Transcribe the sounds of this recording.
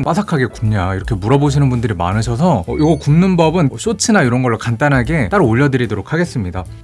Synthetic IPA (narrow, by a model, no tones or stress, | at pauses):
np͈asʰakʰaɡe̞kumɲaiɾʌkʰe̞muɾʌboɕ̬ʰinɯnbundɯɾima̰nɯɕʰʌsʰʌʌjoɡʌkumnɯnbʌbɯnʌɕ͈ot͡ɕʰinaiɾʌnɡʌɭːokant͈anɦaɡe̞t͈aɾooʎːʌdɯɾidoɾokʰaɡe̞s͈ɯmɲida